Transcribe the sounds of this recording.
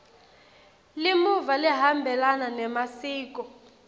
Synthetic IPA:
limuvaliɦambʱɛlananɛmasiːk̬ɔ

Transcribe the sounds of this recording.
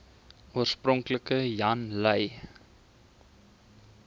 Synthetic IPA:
uərsprɔŋkləkəjɐnləj

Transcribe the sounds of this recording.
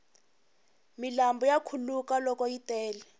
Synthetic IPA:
milambɔjakʰulukalɔkɔjitɛːlɛ

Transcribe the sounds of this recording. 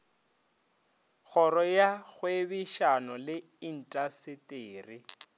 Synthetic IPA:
ɣɔɾɔjaɣwebiʃanɔlɪ | in̩tʼasɪtʼeːri

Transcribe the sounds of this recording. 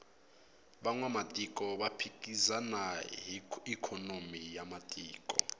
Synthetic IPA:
ɓaŋwamatʼikʼɔɓapʰikʼizana | ikʰɔnomijamatʼiːkʼɔ̰

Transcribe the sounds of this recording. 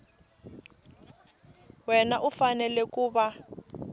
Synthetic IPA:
wɛnaʔufanɛlɛkuːβa

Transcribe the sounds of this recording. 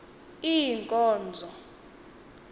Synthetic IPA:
ijiŋkʼɔːnd͡zʱɔ

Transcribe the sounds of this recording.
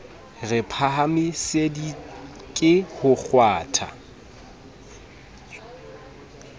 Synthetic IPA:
rɪpʰaɦamɪsedi | kʼɪhʊk͡xʰwaːtʰa̰

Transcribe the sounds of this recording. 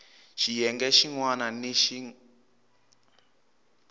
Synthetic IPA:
ʃijɛŋɡɛʃiŋwananiʃi

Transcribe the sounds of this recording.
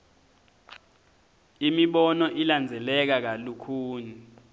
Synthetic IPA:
imiɓɔnɔʔiland͡zʱɛlɛk̬ak̬alukʰuːni

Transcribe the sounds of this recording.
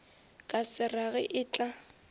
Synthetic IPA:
kʼasɪraɣɪʔɪːt͡ɬʼa

